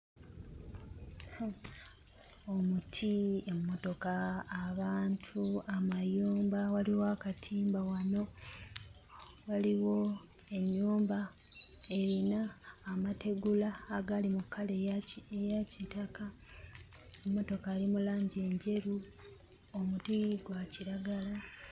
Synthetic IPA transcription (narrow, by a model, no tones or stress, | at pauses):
omutʰiemumːo̞to̞kaːβaːntʰuamajuːmbawaliwakatʰiːmbawano̞ | waliwo̞ | e̞ɲːuːmba | eɾinaːmatʰe̞ɡulaːɡalimukʰːaleejacitaka | emmːo̞to̞kaːlimulaːɲɟe̞ɲɟe̞ɾu | omutiɡwaciɾaɡala